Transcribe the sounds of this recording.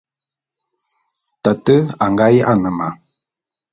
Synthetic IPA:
ta˨tə˦a˨ŋɡa˦ja˦ʔa˦˨nə˨ma˨

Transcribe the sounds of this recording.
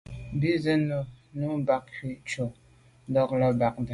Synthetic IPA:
bi˦zə˦no˨nu˦ba˦k̚ki˦t͡ʃo˨˦ | dɔ˦k̚lə˦ba˨k̚də˨

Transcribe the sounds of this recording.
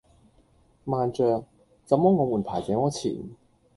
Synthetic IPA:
maː˨nt͡ʃœː˨ŋ | t͡sɐ˨˧mɔː˥ŋɔː˨˧muː˨˩npʰaː˨˩jt͡sɛː˨˥ŋɔː˨˧˥t͡sʰḭː˨˩n

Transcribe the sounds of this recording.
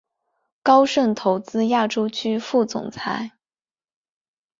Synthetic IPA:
kɑ˥ʊʂə˥˩nt̪ʰo˧˥ʊt͡sɹ̩˥ja˥˩ʈ͡ʂo˥ʊt͡ɕʰy˥fu˥˩t͡sʊ̰˨˩ŋt͡sʰa˧˥ɪ

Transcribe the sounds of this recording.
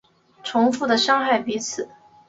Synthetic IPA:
ʈ͡ʂʰʊ˧˥ŋfu˥˩d̪ə˩ʂɑ˥ŋxa˥˩ɪpi˧˥t͡sʰɹ̩˨˩˦

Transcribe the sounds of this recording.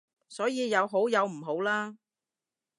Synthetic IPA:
sɔː˨˥jiː˨˧jɐ˨˧wɦo˨˥wjɐ˨˧wm̩˨˩ɦo˨˥wlaː˥

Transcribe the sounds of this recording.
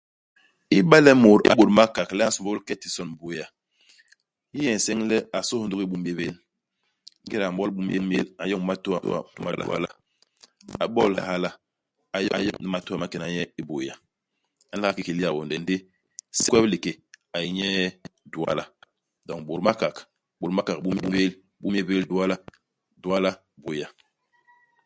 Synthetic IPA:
i˦ba˦lɛ˦mo˨ɾa̰˨˦bo˨ɾma˦ka˨klɛ˦a˦su˨bo˦lkɛ˦ti˨sɔ˦n˨bo˨ja˨ | ji˦jɛ˨sɛ˦ŋlɛ˦a˨so˦hndu˦ki˦bu˦m˦e˦be˦l | e˦ɾa˨mbɔ˦lbu˦m˦je˦m˦ḛ˦la˨jɔ˦ŋ˦ma˦tu˦a̰˨˦a̰˨ma̰˦la̰˨wa̰˦˨la̰˦ | a̰˨bɔ˦lha˦la˦ | a˨jɔ˦˨jɔ˦ni˨ma˦tu˦a˦˨ma˦ke˨na˨ɲɛ˦i˦bo˨ja˨ | a˨˦la˦a˦ki˦ki˨li˦a˨wo˨ndɛ˨n˦di˦ | si˦kwɛ˦bli˨ke˨a˨i˨ɲɛ˦du˨a̰˦la˦ | dɔ˨ŋbo˨ɾma˦ka˨k | bo˨ɾma˦ka˨k̚bu˦m˦bu˦be˦l | bu˦m˦e˦be˦ldu˦a˦la˦ | du˨a˦la˦ | bo˨ja˨

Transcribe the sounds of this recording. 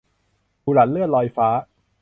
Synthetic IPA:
uː˧la˨˩lɯ˥˩t̪̚lɔː˧jfaː˦˥

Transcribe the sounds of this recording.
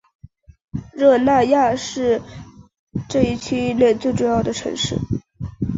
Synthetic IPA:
ɻɤ˥˧na˥˧ja˥˧ʂɻ̩˥˧ | ʈ͡ʂɤ˥˧i˥˩t͡ɕʰy˥ljɛ˥˧ɪt͡swe˥˧ɪʈ͡ʂu˥˧jɑ˥˩ʊd̪ə˩ʈ͡ʂʰɤ̰˧˥ŋʂɻ̩˥˩

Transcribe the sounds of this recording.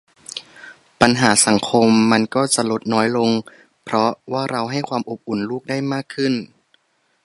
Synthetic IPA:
pa˧nɦaː˩˦sa˨˩˦ŋkʰo˧mːa˧nkɔː˥˩t͡ɕa˨˩lo˦˥t̪̚nɔː˦˥jlo˧ŋ | pʰɾɔ˦˥waː˥˩ɾa˧wɦa˥˩jkʰwaː˧mʔo˨˩p̚ʔu˨˩˦nluː˥˩k̚daː˥˩jmaː˥˩kʰːɯ˥˩n

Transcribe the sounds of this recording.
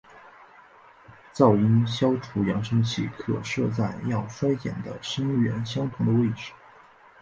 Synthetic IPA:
t͡sɑ˥˩ʊi˥nɕjɑ˥ʊʈ͡ʂʰu˧˥jɑ˧˥ŋʂɤ˥ŋt͡ɕʰḭ˥˩kʰɤ̰˥˩ʂɤ˥˧t͡sa˥˩ɪjɑ˥˩ʊfa˥ɪjɛ̰˨˩nd̪ə̰˦ʂə˥ŋɥɛ˧˥nɕjɑ˥ŋt̪ʰʊ˧˥ŋd̪ə˧we˥˩ɪʈ͡ʂɻ̩˨˩˦

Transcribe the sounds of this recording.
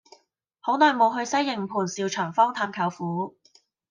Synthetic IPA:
ho˨˥wnɔː˨jmo˨˧wɦɵ˧ɥsɐ˥jːɪ˨˩ŋpʰuː˨˩nsiː˨˧wt͡ʃʰœː˨˩ŋfɔː˥ŋt̪ʰaː˧mkʰɐ˨˥wfuː˨˥

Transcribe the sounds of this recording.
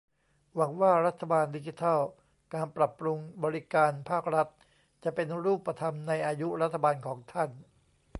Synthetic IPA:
wa˩˦ŋwaː˥˩ɾa˦˥t̪ʰːa˧baː˧ndi˦˥t͡ɕi˧t̪ʰɔː˥˩ | kaː˧npɾa˨˩pːɾu˧ŋbɔː˧ɾi˦˥kaː˧npʰaː˥˩k̚ɾa˦˥t̪̚ | t͡ɕa˨˩pe˧nɾuː˥˩pːa˧t̪ʰa˧mna˧jʔaː˧ju˦˥ɾa˦˥t̪ʰːa˧baː˧nkʰɔː˩˦ŋt̪ʰa˥˩n

